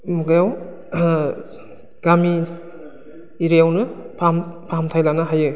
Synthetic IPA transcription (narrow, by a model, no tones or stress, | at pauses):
muɡajaw | ɡ̥ami | ɾijawnɯpʰampʰamtʰajlanaɦajɯ